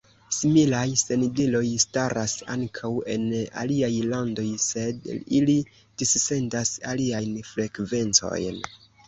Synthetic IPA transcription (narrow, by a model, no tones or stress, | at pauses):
similajse̞ndilo̞jstaɾʔasa̰ŋkʰawe̞̰na̰liajlando̞jse̞dili | d̥isːe̞ndasa̰liajnfɾe̞kve̞nt͡so̞̰jn